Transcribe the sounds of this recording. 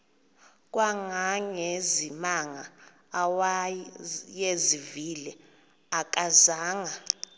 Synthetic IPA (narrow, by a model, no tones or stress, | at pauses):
k̬ʼwaŋaŋezimaŋa | wa | jezivilɛ | ak̬ʼazaːŋa